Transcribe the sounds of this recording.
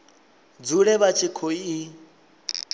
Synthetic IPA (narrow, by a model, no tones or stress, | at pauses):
d͡zuɺɛβat͡ʃʰikʰɔi